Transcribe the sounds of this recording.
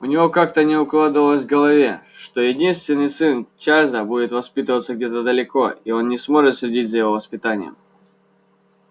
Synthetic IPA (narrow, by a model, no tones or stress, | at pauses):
ʊnʲɪvo̞kak̚t̪ənʲɪʊklˠad̪əvəlˠəzʲvɡəlˠɐvʲe̞ʂt̪o̞jɪdʲinst̪vʲɪnːɨjsɨnt͡ɕazəbudʲɪt̪vɐspʲit̪əvət̪səɡ̚dʲet̪əd̪əlʲɪko̞io̞nːʲɪsmo̞ʐɨt̪sʲlʲɪdʲit̚ʲzəjɪvo̞vəspʲɪt̪anʲɪ̰jə̰m